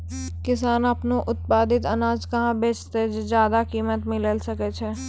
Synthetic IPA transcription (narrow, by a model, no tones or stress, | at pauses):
kɪsaːnəpnoʔʊt̪̚paːd̪ɪt̪ɐnaːd͡ʒkɐɦãbeːt͡ʃt̪ed͡ʒd͡ʒjaːd̪akiːmət̪mɪləlsəket͡ʃʰɛː